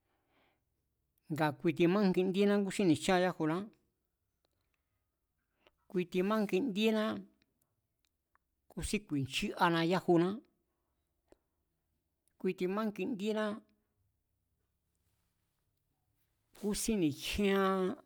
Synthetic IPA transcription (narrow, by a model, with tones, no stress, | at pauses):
ŋɡa˨kʷi˧t̪̬i˧mã˦ŋ˦ki˧nd̪i˦nã˦k̬u˦si˦nĩ˨t͡ʃã˦˧ja˦hu˧nã˦ | kʷi˧t̪i˧mã˦ŋki˧nd̪i˦nã˦ | ku˦si˦kʷi˨nt͡ʃi˦ʔa˧nã˧ja˦hu˧nã˦ | kʷi˧t̪i˧mã˦ŋki˧nd̪i˦nã˦ | ku˦si˦nĩ˨hĩ˦ã˧